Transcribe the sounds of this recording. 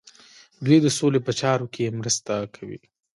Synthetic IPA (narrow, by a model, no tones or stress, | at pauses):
ɡed̪əsolepət͡ʃɑɾokʰeemɾəst̪akʰawḭ